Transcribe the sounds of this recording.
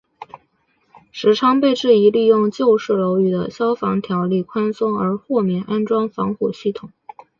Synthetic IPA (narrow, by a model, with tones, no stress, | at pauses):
ʂɻ̩˧˥ʈ͡ʂʰɑ˥ŋpe˥˧ɪʈ͡ʂɻ̩˥˩i˧˥li˥˧jʊ˥˧ŋt͡ɕjo˥˧ʊʂɻ̩˥˩lo˧˥ʊy˨˩d̪ə̰˦ɕjɑ˥ʊfɑ˧˥ŋt̪ʰjɑ˧˥ʊli˥˩kʰwa˥nsʊ˥ŋə˞˧˥xwɔ˥˧mjɛ˥˩nʔa˥nʈ͡ʂwɑ˥ŋfɑ˧˥ŋxu˨˩ɕi˥˩t̪ʰʊ˨˩˦ŋ